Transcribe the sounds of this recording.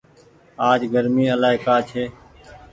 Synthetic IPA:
aːd͡ʒɡəɾmiːəlaːɦeːkaːt͡ʃʰeː

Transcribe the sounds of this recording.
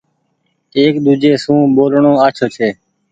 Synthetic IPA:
eːkɗ̪uːd͡ʒeːsũːɓoːlɳõːaːt͡ʃʰoːt͡ʃʰeː

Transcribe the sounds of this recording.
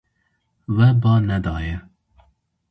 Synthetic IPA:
wɛbɑːnɛd̪ɑːjɛ

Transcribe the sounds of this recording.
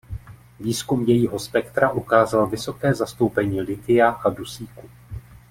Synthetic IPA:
viːskumjɛjiːɦo̞spɛkt̪ɾaʔukaːzalvɪso̞kɛːzast̪o̞wpɛɲiːlɪt̪ɪjaʔadusiːku

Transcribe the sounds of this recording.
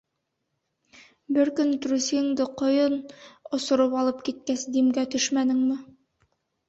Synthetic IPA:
bɘɾkɵnt̪ɾusiŋd̪ɘqŏjɤnŏsŏɾɤpɑlˠɤpkit̪̚kæsd̪imɡæt̪ɵʃmænɘ̆ŋmɘ

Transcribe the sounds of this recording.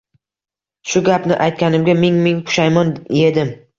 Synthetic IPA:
ʃʊɡʲapnɪʔajt̪̚kʲanɪmɡʲamɪŋmɪŋpʰʊ̥ʃajmɒnje̞d̪ɪm

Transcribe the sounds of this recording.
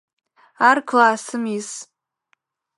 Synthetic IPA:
arkʰlaːsɨmis

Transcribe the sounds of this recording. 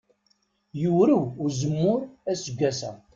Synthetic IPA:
juwɾiwʊɾzəmːʊɾæsəɡʷːæsæ̰

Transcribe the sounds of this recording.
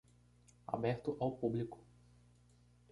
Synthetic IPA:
a̰bɛɾt̪ʊʔawpublikʊ̥

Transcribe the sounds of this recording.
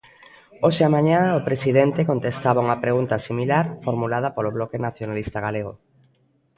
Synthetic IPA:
oʃeamãɲãopɾesiðɛnt̪ekont̪est̪aβauŋɐpɾeɣunt̪ɐsimilaɾfoɾmulað̞ɐpoloβlɔkenaθjonalist̪aɣaleɣo̰

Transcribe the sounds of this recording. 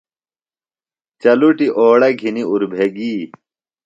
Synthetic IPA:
t͡ɕɐluʈiʔoːɽɐɡʱiniuɾbʱeɡiː

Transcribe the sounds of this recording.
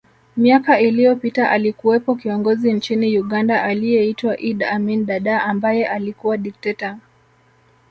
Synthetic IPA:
miakailijɔpitaʔalikuwɛpɔkiɔŋɡɔzint͡ʃinijuɠandaʔalijɛitwaʔiɗaminɗaɗaambajɛʔalikuwaɗik̚tɛta

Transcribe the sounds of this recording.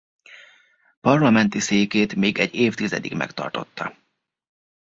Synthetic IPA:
pɒrlɒmɛnt̪iseːkeːt̪meːɡɛɟeːft̪izɛ̰d̪ikmɛ̰kt̪ɒ̰rt̪o̞̰t̪ːɒ̰

